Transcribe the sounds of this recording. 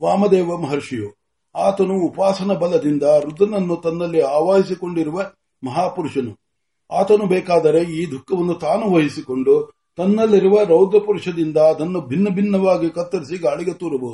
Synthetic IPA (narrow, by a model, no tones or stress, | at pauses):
ʋaːmɐd̪ɛːʋɐmɐɦɐɾʂijoː | aːt̪ɐnuːpaːsɐnɐbɐlɐd̪ind̪ɐɾud̪ɐnɐnːut̪ɐnːɐlːiaːʋaːjis̬iko̞ɳɖiɾuʋɐ | mɐɦaːpuɾuʂɐnu | aːt̪ɐnubɛːkaːd̪ɐɾe̞iːd̪ʱukːɐʋɐnːut̪aːnuʋɐɦisiko̞ɳɖu | t̪ɐnːɐlːiɾuʋɐɾɐwd̪ɐpuɾuʂɐd̪ind̪ɐːd̪ɐnːubʱinːɐbʱinːɐʋaːɡikɐt̪ːɐɾisiɡaːɭiɡet̪uːɾɐboːd̪u